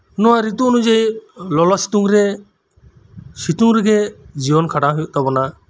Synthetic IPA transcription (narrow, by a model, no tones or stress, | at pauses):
nɔwaɾit̪uːnud͡ʒajlɔlɔsi̥t̪uŋɾɛ | sit̪uŋɾɛɡɛd͡ʒibɔnkʰaɽaɦɔjɔʔt̪abɔna